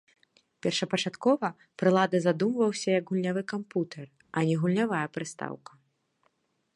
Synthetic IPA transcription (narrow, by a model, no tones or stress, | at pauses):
pʲɛrʂɐpɐt͡ʂat̪kɔvɐ | pɾɨlˠad̪ɐzad̪umvɐwsʲɐjɐɡɣulʲnʲavɨkamput̪ʰɛr | ɐnʲɛɣulʲnʲavajɐpɾɨst̪a̰wkɐ̥